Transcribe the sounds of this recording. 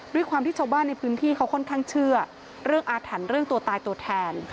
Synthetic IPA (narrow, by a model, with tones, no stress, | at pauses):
du˥˩jkʰwaː˧mt̪ʰiː˥˩t͡ɕʰa˧wbaː˥˩nːa˧jpʰɯː˦˥nt̪ʰiː˥˩kʰa˦˥wkʰɔ˥˩nkʰa˥˩ŋt͡ɕʰɯ˥˩ɐ | ɾɯ˥˩əŋʔaː˧t̪ʰa˩˦nɾɯ˥˩əŋt̪u˧ɐt̪aː˧jt̪u˧ɐt̪ʰɛː˧n